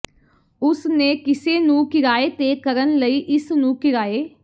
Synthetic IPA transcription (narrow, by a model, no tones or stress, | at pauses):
ʊsneːkɪseːnũːkɪɾaːeːt̪eːkəɾənləiːʔɪsnũːkɪɾaːeː